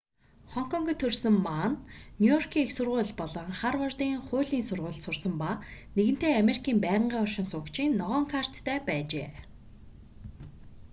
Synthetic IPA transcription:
χɔŋkʰɔŋɡʲit̪ʰɵrsɵ̆mːaːnnʲjujɔrkʰiːŋexsʊrʁʊ̟ːɮpɔɮɞ̆ŋχarwɔrt̪iːŋχʊːɮiːnsʊrʁʊːɮt̪sʊrsə̆mpaneɣɘ̆n̥t̪eːameɾikʰiːmpæːʁə̆ɴɢiːɔrʃɪ̆nsʊːkt͡ɕʰiːnːɔʁɔːŋkʰar̥t̪ːæːpæːt͡ɕḛː

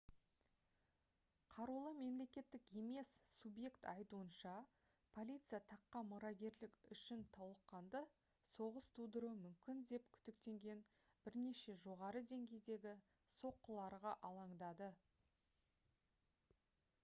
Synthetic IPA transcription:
qʰɑɾulˠəme̞mle̞kʲe̞t̪ːɪke̞me̞ssubje̞kt̪ɑ̰jt̪uənʃɑ | pʰo̞lʲijt̪sɨjat̪ʰɑqːɑmʊɾɑɡʲe̞ɾlɪkʲʏʃɪnt̪ʰɑwlˠəqːɑnd̪ə | so̞ʁəst̪ʰud̪əɾumʏmkʲɪnd̪e̞p̚kʲʰʏ̥t̪ɪkt̪e̞ŋɡʲe̞n | bɪɾne̞ʃe̞ʒo̞ʁɑɾəd̪e̞ŋɡʲe̞jd̪e̞ɡʲɪ | so̞qːəlˠɑɾʁɑʔɑlˠɑɴd̪ɑd̪ə

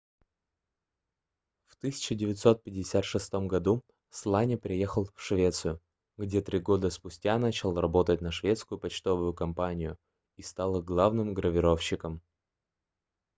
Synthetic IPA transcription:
ft̪ɨsʲɪ̥t͡ɕɪdʲɪvʲɪt̪so̞t̪̚pʲɪdʲɪsʲat̪ʂɨst̪o̞mɡɐd̪u | slˠanʲɪpɾʲɪje̞xəlˠfʂvʲe̞t̪sɨjʊ | ɡdʲe̞t̪ɾʲiɡo̞d̪əspʊsʲtʲanat͡ɕɪlˠrɐbo̞t̪ət̚ʲnəʂvʲet̪skʊjʊpɐt͡ɕt̪o̞vʊjʊkɐmpanʲɪjʊ | ist̪alˠɨɡlˠavnɨmɡɾəvʲɪɾo̞fɕːɪkəm

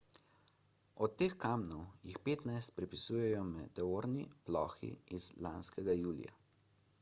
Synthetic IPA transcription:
ɔt̪ːeːxkaːmnɔwjixpeːt̪najst̪̚pɾɛpisuːjɛjɔmɛt̪ːɛoːɾniplɔːxḭizlaːnskɛɡajuːlḭja̰

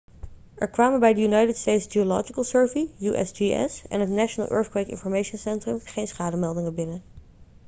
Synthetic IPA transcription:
ʔɛɹkʋaːmənbɛjdəjynajtətstejtsdiolɔ̰d͡ʒikəlˠsɜɹvijuʔɛ̰sd͡ʒiɛ̰sɛ̰nɦətnaʃənə̰lˠʔø̰ːɹθkwejkɪ̰nfɔɹmejʃənsɛntrəmχejnsχaːdəmɛlˠdɪŋəbɪnə

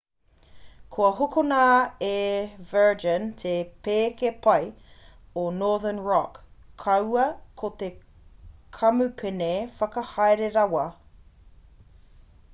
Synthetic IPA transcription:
kʰoɐɦokonaevɜ˞d͡ʒənt̪ʰepeːkepʰɐj | onɔːðənɹɔkʰːɐwɐkʰot̪e | kʰɐmʉpʰenefɐkɐhɐjɾeɾɐwɐ

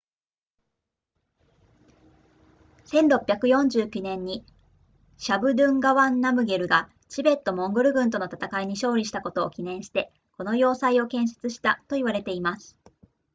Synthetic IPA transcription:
sẽ̞nɾo̞pʲjakɯ̟jõ̞ɲ̟d͡ʑɨːkʲɯnẽ̞ɲ̟ːi | ɕabɯ̟d̪ɯ̟̃ŋɡaβãnːamɯ̟ɡe̞ɾɯ̟ɡa | t͡ɕibe̞t̪ːo̞mõ̞ŋɡɯ̟ɾɯ̟ɡɯ̟̃nt̪o̞no̞t̪at̪akaiɲ̟iɕo̞ːɾʲiɕ̬i̥t̪ako̞t̪o̞ːkʲinẽ̞ɰ̃ɕi̥t̪e̞ | ko̞no̞jo̞ːsaio̞kẽ̞ɰ̃s̬e̥t͡sɨɕi̥t̪at̪o̞iβaɾe̞t̪e̞imasɨ̥

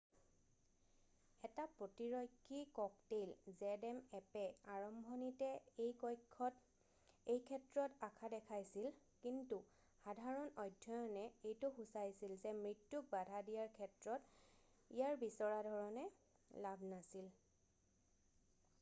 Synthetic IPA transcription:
ɛtapɹotiɹɔjkʰːikɔk̚tejlzɛdɛmɛpɛaɹɔmbʱɔnitɛejkɔjkʰːɔt | ejkʰɛtɹɔtakʰadɛkʰajsil | kintu | xadʱaɹɔnɔjdʱɔjɔnɛejtʊxusajsilzɛmɹitːuk̚badʱadijaɹkʰɛtɹɔt | ijaɹbisɔɹadʱɔɹɔnɛ | labʱnasil

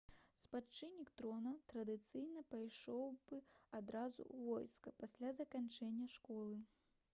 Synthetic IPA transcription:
spat͡ʂɨnʲːikt̪ɾɔnɐt̪ɾɐd̪ɨt̪sɨjnɐpajʂɔwbɨad̪ɾazṵʔuvɔjskɐpasʲlʲazɐkant͡ʂɛnʲːɐʂkɔlˠɨ

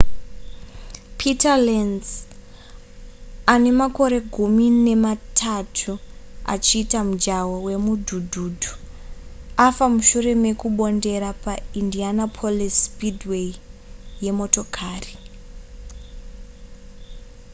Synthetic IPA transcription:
pʰitalenz | ane̞mako̞ɾe̞ɡʱumine̞matʰatʰua̰t͡ʃiːtamud͡ʒawowe̞mudʱudʱuːdʱu | afamuʃure̞me̞kuɓo̞nde̞ɾapaindianapʰolispidweije̞mo̞to̞kʰaːri

